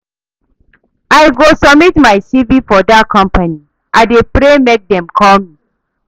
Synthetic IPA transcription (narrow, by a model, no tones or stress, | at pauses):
aɪɡosɔmitmaɪsivifɔdatkʰɔ̃mpani | ʔaɪdepɾemek̚dɛ̃mkʰɔlmi